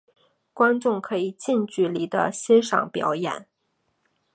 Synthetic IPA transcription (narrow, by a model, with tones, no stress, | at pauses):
kwa˥nʈ͡ʂʊ˥˩ŋkʰɤ˧˥i˨˩t͡ɕi˥˧nt͡ɕy˥˩li˧˥d̪ə̰˧ɕɛ˥nʂɑ̰˥˩ŋpjɑ̰˧˥ʊjɛ̰˨˩˦n